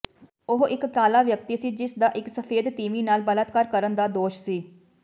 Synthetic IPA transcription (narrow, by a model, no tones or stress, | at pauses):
ʊɦɪkt̪aːlaːʋjəkt̪iːsiːd͡ʒɪsd̪aːʔɪksəpʰeːd̪t̪iːʋiːnaːlbələt̪kəɾkəɾənd̪aːd̪oːʃsiː